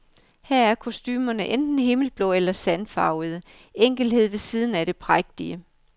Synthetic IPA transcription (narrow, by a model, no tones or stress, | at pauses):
heɐ̰æɐkʰo̝sd̥y̰ːmɐnəʔend̥n̩ɦe̝ml̩b̥lɔ̽elɐsænfɑ̈ʊðˠə | eŋ̰ɡ̥l̩̥he̝ð̞̰ˠʋe̝siːð̞ˠn̩æɾe̝pʰʁaɡ̥̚d̥iə